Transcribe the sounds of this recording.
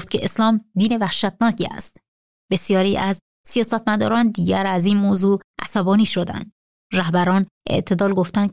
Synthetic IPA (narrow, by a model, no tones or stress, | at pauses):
ft̪̚cʰeeslɒːmd̪iːne̞væhʃæt̪̚nɒːcʰiːæ̰st̪ | b̥e̞sijɒːɾiːʔæz | sijɒːsæt̪mæd̪ɒ̰ːɾɒːnd̪iːɟæɾæziːnmoːzuːʔæ̰sæbɒːniːʃo̞d̪æ̰nd̪ | ɾæhbæɾɒːn | ʔe̞̰ʔt̪ʰe̞d̪ɒːlɡo̞ft̪ænd̪̚